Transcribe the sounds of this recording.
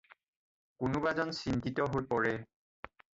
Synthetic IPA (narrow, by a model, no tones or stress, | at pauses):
kʊnubazɔnsintitɔɦojpɔɹɛ